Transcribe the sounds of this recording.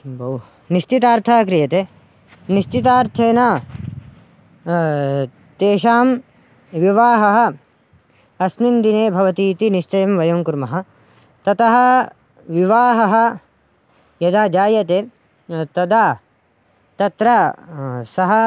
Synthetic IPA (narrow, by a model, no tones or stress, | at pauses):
bɐw | niʃt͡ʃit̪aːɾt̪ʰaːk̬ɾijɐt̪eː | niʃt͡ʃit̪aːɾt̪ʰeːnaː | t̪eːʃaːm | ʋiʋaːɦɐɦɐ̆ | ɐsmind̪ineːbʱɐʋɐt̪iːt̪iniʃt͡ʃɐjɐmʋɐjɐmkuɾmɐɦɐ̆ | t̪ɐt̪ɐɦɐ̆ | ʋiʋaːɦɐɦɐ̆ | jɐd̪aːd͡ʒaːjɐt̪eː | t̪ɐd̪aː | t̪ɐt̪ɾa | sɐɦɐ